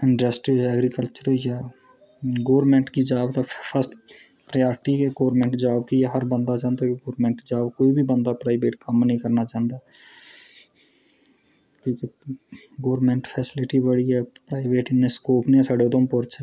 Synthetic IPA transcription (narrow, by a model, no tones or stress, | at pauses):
ɪ̃ɳɖɾesʈɛɡɾikəlt͡ʃəɾjaː | ɡoːɾmẽɳʈkid͡ʒaːbt̪apʰəsʈ | pɾejaːɾɪʈikeɡoːɾmẽːɳʈd͡ʒaːbkieɦəɾbə̃nd̪at͡ʃãːnd̪akiɡoːɾmẽɳʈd͡ʒaːbkoːibʱibə̃nd̪apɾaːɪʋeːʈkəmnəĩkɐɾnat͡ʃãːnd̪aː | kjõːke | ɡoːɾmẽːɳʈpʰɛːsɪlɪʈibəɽiɦɛpɾaːɪʋeːʈɪnːeskoːpnesɛɽod̪õmpoɾt͡ʃʰɛ